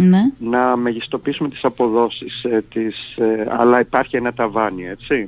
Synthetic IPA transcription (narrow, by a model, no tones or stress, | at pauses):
nenɐmeʝist̪o̞piisume̞t̪i̥sɐpo̞ðo̞sist̪isɐ̰lɐipɐɾçie̞nɐt̪ɐvɐnie̞t͡si